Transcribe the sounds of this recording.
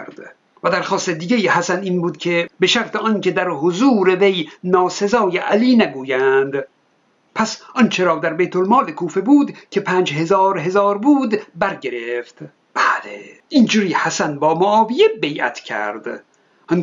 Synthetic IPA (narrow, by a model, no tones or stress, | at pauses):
ɾd̪̥ | væd̪æɾxɒːst̪ed̪iːɡejihæsæniːnbuːd̪kʲʰe̞beʃæɾt̪ʰeʔɒːncʲe̞d̪æɾhozuːɾevejnɒːse̞zɒːjeʔæliːnæɡuːjænd̪ | pʰæsʔɒnt͡ʃʰe̞ɾɒːd̪æɾbejt̪ʰo̞lmɒːlekʰuːfe̞buːd̪cʰe̞pʰæːnd͡ʒɦe̞zɒːɾɦe̞zɒːɾbuːd̪bæɾɟe̞ɾeft̪ | b̥æːleʔind͡ʒuɾiːhæsænbɒːmoʔɒːvijebe̞jʔæ̰t̪ʰcʰæ̰ɾd̪̥ | ʔn